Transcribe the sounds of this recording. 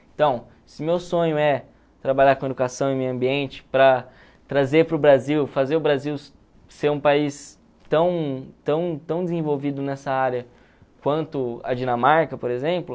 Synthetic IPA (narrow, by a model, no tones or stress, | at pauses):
ẽnt̪ɐ̃w̃ | sɪʊmewsõɲʊɛ | t̪ɾabaʎakõed̪ukasɐ̃w̃ẽmejɐ̃mbiẽnt͡ʃɪ̥pɾɐ | t̪ɾazeɾpɾʊbɾaziwfazeɾʊbɾaziw | seɾũpais | t̪ɐ̃w̃t̪ɐ̃w̃t̪ɐ̃w̃d͡ʒ̪ɪzẽvowvid̪ʊnɛsɐaɾjɐ | kwɐ̃nt̪ʊɐ̰d͡ʒinɐmaɾkɐpoɾezẽmplʊ